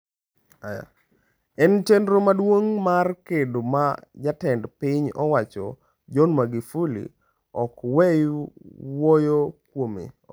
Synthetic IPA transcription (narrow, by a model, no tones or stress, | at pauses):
aja̰ | ɛnt͡ʃendɾomadwoŋmarkedomad͡ʒatɛndpɪɲɔwat͡ʃɔ̰ | d͡ʒɔnmaɡifulḭ | ɔkwɛjuwojokwomḭ